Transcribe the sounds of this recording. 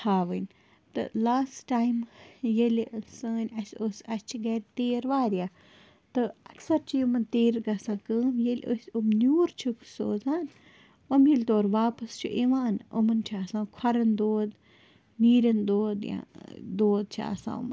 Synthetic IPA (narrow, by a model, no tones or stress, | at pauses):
t̪ʰaːʋɨnʲ | t̪ɨ̰laːsʈaːjmjelʲsəːnʲɐsʲosɐst͡ʃʰiɡɐɾʲt̪eːɾʋaːɾʲjaː | t̪ɨɐksɐɾt͡ʃʰijumɐnt̪eːɾɡɐsãːkəːmjelʲʔo̰sʲomnuːɾt͡ʃʰukʰso̰ːzaːn | omilʲt̪oːɾʋaːpɐst͡ʃʰṵʔeʋaːno̰mɐnt͡ʃʰiaːsãːkʰɐɾɐnd̪oːd̪ | niːɾʲɐnd̪oːd̪jã̰d̪oːd̪̚t͡ʃʰia̰sã̰ːṵmɐn